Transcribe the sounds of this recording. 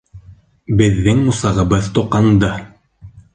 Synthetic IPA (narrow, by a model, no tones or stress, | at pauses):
bɘ̆ðːɘŋmusɑʁɤ̆βɤðt̪uqɑnd̪ɤ